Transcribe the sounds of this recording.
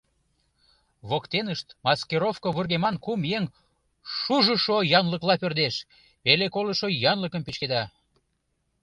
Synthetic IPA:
βokt̪enəʃt̪mɑskeɾofkoβurɣemɑnkumjeŋ | ʃuʒəʃojɑnləklɑpørd̪eʃ | elekolə̆ʃojɑnləkəmpet͡ɕked̪ɑ

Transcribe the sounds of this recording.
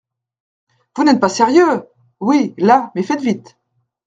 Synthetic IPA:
vunɛt̪̚pasɛʁjø | wilamɛfɛt̪vit̪

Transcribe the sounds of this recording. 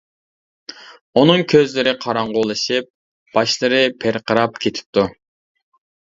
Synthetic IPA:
onɨŋkʲʰøzlɪɾɪqʰɑɾɑɴʁolˠɨʃɨp̚ | b̥ɑʃlˠɨɾɨpʰeɾqʰəɾɑpkʲʰet̪ʰɪ̥p̚t̪u

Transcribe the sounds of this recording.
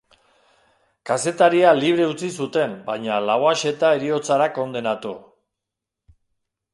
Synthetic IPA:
kase̞t̪aɾialiβ̞ɾe̞ut͡sisut̪e̞mbajɲalawaʃe̞t̪aeɾio̞t͡saɾako̞nd̪e̞nat̪u

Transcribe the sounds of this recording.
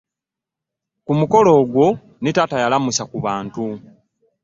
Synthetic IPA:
kumuko̞lo̞ːɡwo̞ | nitatajalamusakuβaːntu

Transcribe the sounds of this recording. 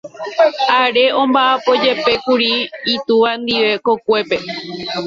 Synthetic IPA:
aɾe̞ʔõ̞mbaʔapo̞d͡ʒe̞pe̞kuɾiːt̪uʋand̪iʋe̞ko̞kʷe̞pe̞

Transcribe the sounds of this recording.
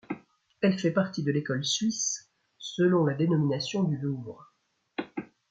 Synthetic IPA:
ɛlfɛpaʁt̪id̪əlekɔlsɥisː | əlɔ̃lad̪enɔminasjɔ̃d̪yluvʁ

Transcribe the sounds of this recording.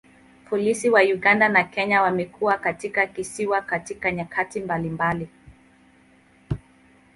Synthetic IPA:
pɔlisiwajuɡandanakɛɲawamɛkuwakatikakisiwakatikaɲakʰatimbalimbali

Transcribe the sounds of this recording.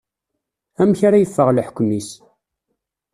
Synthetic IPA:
æmçaɾajəfːəʁlħə̥kʷːmis

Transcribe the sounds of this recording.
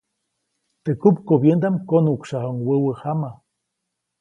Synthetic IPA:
t̪ekupkobjend̪amkonukʃahoŋwəwəhama

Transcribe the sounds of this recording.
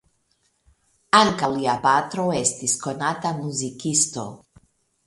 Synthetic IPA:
aŋkaliapat̪ɾoest̪iskonat̪amuzikist̪o̰

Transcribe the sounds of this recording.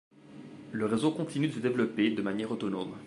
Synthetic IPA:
ləʁezokɔ̃t̪inyd̪əsəd̪evlɔped̪əmanjɛːʁot̪ɔnom

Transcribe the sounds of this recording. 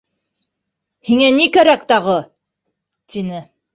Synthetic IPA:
hiŋænikæɾækt̪ɑʁɤ | t̪inɘ

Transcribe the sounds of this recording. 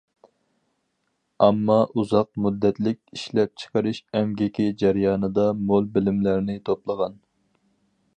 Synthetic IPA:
ɑmːɑʔuzɑq̚mud̪ːɛt̪lɪkʲiʃlɛp̚t͡ʃʰə̥qəɾɨʃɛmɡʲɪkʲid͡ʒæɾjɑːnɨd̪ɑmolˠbɪlɪmlæɾnɪt̪ʰoplˠəʁɑn

